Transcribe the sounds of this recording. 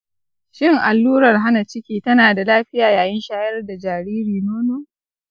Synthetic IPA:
ʃɪ˦ŋʔa˨lːuː˦ɾɐ˨rɦa˦na˨t͡ʃɪ˦kʲiː˦tɐ˦naː˨da˨laː˦ɸɪ˦jaː˨jaː˨jɪ˦nʃaː˦jɐ˦rda˨d͡ʒaː˨ɾiː˦ɾiː˨noː˦noː˦

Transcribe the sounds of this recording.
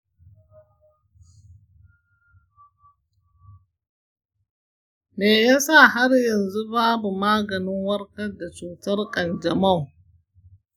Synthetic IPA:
meː˨ja˦sa˦˨ɦa˦rjɐ˨nzu˦baː˦bu˨maː˦ɡɐ˨nɪ˦ŋwɐ˦rkɐ˦da˨t͡ʃuː˨tɐ˦rkʼɐ˨nd͡ʒɐ˨ma˦˨w

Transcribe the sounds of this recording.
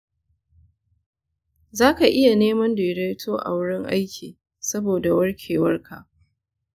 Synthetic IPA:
zaː˦ka˨ʔɪ˦ja˨neː˦mɐ˦ndeː˨ɽa˦jtʰoː˦ʔa̰˨wʊ˦ɽɪ˦ŋʔa̰˦jkʲʰiː˨ | sɐ˦boː˨da˨wɐ˦rkʲʰeː˨wɐ˦rkʰa˨ʔ

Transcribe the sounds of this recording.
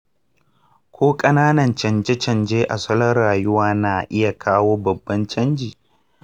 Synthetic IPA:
kʷoː˦kʼɐ˦naː˦nɐ˨nt͡ʃɐ˨nd͡ʒe˦t͡ʃɐ˨nd͡ʒeː˦ʔa˨sɐ˦lɐ˦rːaː˨jʊ˦waː˦naː˨ʔɪ˦ja˨kʰaː˦woː˦bɐ˨bːɐ˦nt͡ʃɐ˦nd͡ʒiː˨

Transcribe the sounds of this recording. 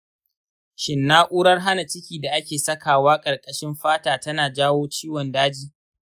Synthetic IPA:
ʃɪ˨nːaː˦ʔʷʼuː˦ɽɐ˦rɦa˦na˨t͡ʃɪ˦kʲiː˨da˨ʔa˦kʲeː˨sɐ˦kaː˨waː˦kʼɐ˨rkʼɐ˨ʃɪ˦mɸaː˦taː˨tɐ˦naː˨d͡ʒaː˦woː˦t͡ʃiː˦wɔ˨ndaː˦d͡ʒiː˦

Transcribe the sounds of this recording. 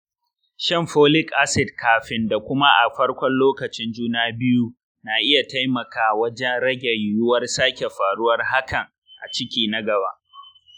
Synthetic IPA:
ʃɛ˦mɸoː˦lɪ˦kʔa˦sɪ˨dkʰaː˨ɸɪ˨nda˨kʷʊ˦ma˦ʔa˨ɸɐ˦rkʷɔ˦nloː˦kɐ˨t͡ʃɪ˦nd͡ʒuː˦naː˦bɪ˦ju˦ | naː˨ʔɪ˦ja˨ta˦jmɐ˨kaː˨wɐ˦d͡ʒɛ˦nɾɐ˦ɡʲe˨jjʊ˦wɐ˦rsaː˦kʲe˨ɸaː˨ɽʊ˦wɐ˦rɦa˦kɐ˨ŋ | ʔa̰˨t͡ʃɪ˦kʲiː˦nɐ˦ɡɐ˨ba̰ː˦ʔ

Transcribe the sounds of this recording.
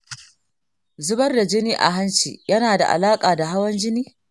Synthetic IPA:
zʊ˦bɐ˦rda˨d͡ʒɪ˦niː˦ʔa̰˨ɦa˦nt͡ʃḭː˨jɐ˦naː˨da̰˨ʔa̰˨laː˦kʼaː˨da˨ɦa˦wɐ˦nd͡ʒɪ˦niː˦

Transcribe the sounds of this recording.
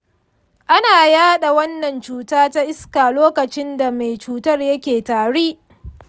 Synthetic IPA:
ʔa˦naː˨jaː˦ɗa˨wɐ˦nːɐ˨nt͡ʃuː˨taː˦ta˦ʔɪ˦skaː˨loː˦kɐ˨t͡ʃɪ˦nda˨ma˨jt͡ʃuː˨tɐ˦rjɐ˦kʲeː˨taː˨ɽeː˦

